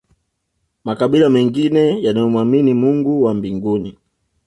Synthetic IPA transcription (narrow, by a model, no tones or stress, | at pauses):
makaɓilamɛŋɡinɛjanajɔmwaminimuŋɡuwambiŋɡuni